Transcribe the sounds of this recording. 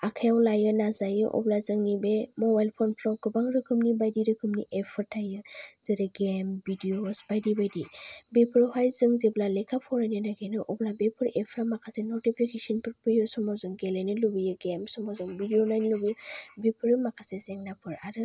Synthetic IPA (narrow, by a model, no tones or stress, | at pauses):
akʰajawlajɯnazajɯʔɔ̰blazɯŋnibemɔbajlpʰɔnpʰlɔɡɯbaŋɾɯkʰɯmnibajdiɾɯkʰɯmniʔepʰɯɾtʰajɯz̥ɯɾɯɡembidiosbajdibajdibepʰɯɾhajzɯŋzeblalekʰapʰɔɾanenaɡenɯʔɔblabepʰɯɾepʰɾamakʰasenɔtipʰikʰesɔnpʰɯɾpʰɯjɯsɔmɔzɔŋɡelenɯlubɯjɯɡemsɔmɔzɔŋbidijonajnlubijbepʰɯɾɯmakʰasezɛŋnapʰɯɾaɾɯ